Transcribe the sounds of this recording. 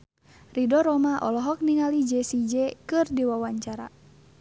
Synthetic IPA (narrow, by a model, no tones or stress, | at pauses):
ridɔɾɔmaʔɔlɔɦɔk̚niŋalid͡ʒɛsid͡ʒɛkɨrdiwawaɲt͡ʃaɾa̰